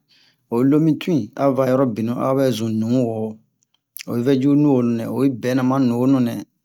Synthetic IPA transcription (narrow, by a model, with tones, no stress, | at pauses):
o˨˦lo˦mĩ˦tũ˦ĩ˨a˦va˨˦˨jɔ˦ɾɔ˦bi˨nũ˨˦ʔa̰˦bɛ˦zũ˨nũ˨˦wo˨ | o̰˨˦vɛ˦d͡ʒu˦nũ˦wo˨nũ˨nɛ̰̃˨o˨bi˦bɛ˨˦nã˨mã˦nũ˨o˦nũ˨nɛ̃˨